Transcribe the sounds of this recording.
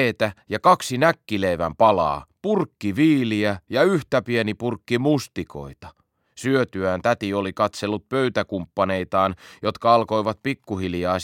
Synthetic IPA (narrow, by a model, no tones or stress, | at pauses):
eːt̪æjɑkɑksinækːileʋæ̰mpɑlɑ̰ːpurkːiʋiːliæjɑyht̪æpienipurkːimust̪iko̞̰it̪ɑ | syøt̪yænt̪æt̪iolikɑt̪selːut̪̚pøyt̪ækumpːɑne̞it̪ɑːnjo̞t̪kɑɑlko̞iʋɑt̪̚pikːuhiljɑː